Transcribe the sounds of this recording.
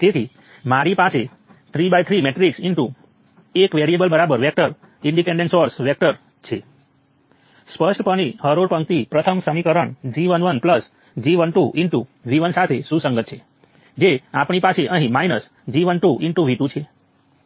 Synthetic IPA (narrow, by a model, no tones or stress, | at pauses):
t̪et̪ʰi | maɾipase | t̪ʰɾibajt̪ʰɾimeʈɾiksɪɳʈu | ekʋeɾiebəlbəɾabəɾʋɛk̚ʈəɾ | ɪɳɖipẽɳɖẽnsɔɾsʋɛk̚ʈəɾ | t͡ʃʰe | spəsʈpəɳ̃ihəɾoɾpəŋkt̪ipɾət̪ʰəmsəmikəɾəɳd͡ʒiʋənʋənpləs | d͡ʒiʋənʈuʔɪɳʈuʋiʋənsat̪ʰesũsəŋɡət̪̚t͡ʃʰe | d͡ʒeapɳ̃ipasʰeʔəɦĩmainəs | d͡ʒiʋənʈuʔɪɳʈũʋiʈũt͡ʃʰe